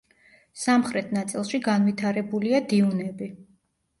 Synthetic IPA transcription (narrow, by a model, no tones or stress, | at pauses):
samχɾɛt̪ʰnat̪sʼilˠʃiɡanvit̪ʰaɾɛbuliad̪iunɛbi